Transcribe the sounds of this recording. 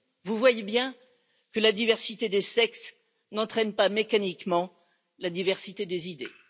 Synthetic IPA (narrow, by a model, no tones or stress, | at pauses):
vuvwajebjɛ̃ | kəlad̪ivɛʁsit̪ed̪esɛks | nɑ̃t̪χɛnpamekanikmɑ̃ | lad̪ivɛʁsit̪ed̪ezid̪ḛ